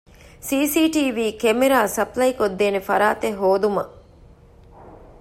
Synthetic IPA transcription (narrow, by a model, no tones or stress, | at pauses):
siːsiːʈiːʋiːkemeɾaːsɐplɐjkod̪ːeːnefɐɾaːt̪eɦoːd̪umɐ